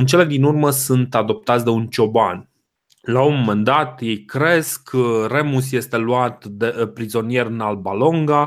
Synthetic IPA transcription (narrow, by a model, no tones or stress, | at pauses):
ɨnt͡ʃe̞le̞d̪inurməsɨnt̪ad̪o̞p̚t̪at̪sʲd̪e̞unt͡ʃo̞ban | launmend̪at̪jejkɾe̞skəre̞mus̬je̞st̪e̞luat̪d̪e̞pɾizo̞nije̞rɨnalbalo̞ŋɡa